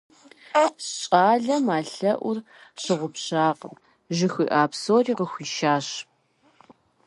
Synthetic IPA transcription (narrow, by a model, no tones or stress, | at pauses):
ɕʼaːɮɐmaːɬɐʔʷʊr | ɕɪʁʷʊpɕaːqəm | ʒɪxḭːʔaːpsoːriːʁəxʷiːʃaːɕ